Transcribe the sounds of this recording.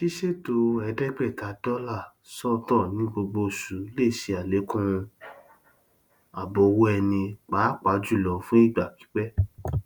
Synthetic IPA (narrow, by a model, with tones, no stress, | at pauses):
ʃi˦ʃe˦˨to˧˦ɛ˧dɛ˦ɡ͡bɛ˦˨ta˨˦dɔ˦la˦˨ | sɔ˦tɔ̃˦˨nĩ˨˦ɡ͡bo˧ɡ͡bo˧su˨˦le˦˨ʃi˧a˨le˨˦kũ˦˧ | a˨bɔ˧wo˦ɛ˧nĩ˧k͡pa˨˦k͡pa˨˦d͡ʒu˦˨lɔ˨fũ˦i˦˨ɡ͡ba˨ki̥˨˦k͡pɛ˦